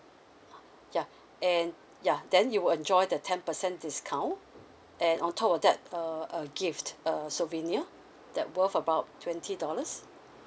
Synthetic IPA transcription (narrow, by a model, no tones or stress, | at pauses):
ja | ʔɛ̃n | jadɛ̃njuwilɛ̃nd͡ʒɔjdətʰɛ̃npəsɛ̃ndiskʰãʊ̃n | ʔɛ̃nɔ̃ntʰɔpɔfdɛt̚əəɡiftəsloviniə | d̥ɛt̚wəfəbaʊttʰːwɛ̃ntʰidɔləs